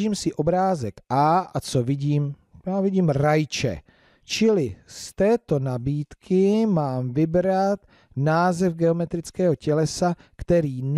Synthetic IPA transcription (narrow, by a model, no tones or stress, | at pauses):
ʒiːmsɪʔo̞bɾaːzɛkʔaːʔat͡sovɪɟiːm | jaːvɪɟiːmɾajt͡ʃɛ̰ | t͡ʃɪlɪst̪ɛːt̪o̞nabiːt̪kʰɪmaːmvɪbɾat̪ | naːzɛfɡɛo̞mɛt̪ɾɪt͡skɛːɦo̞cɛlɛsa | kt̪ɛɾiːn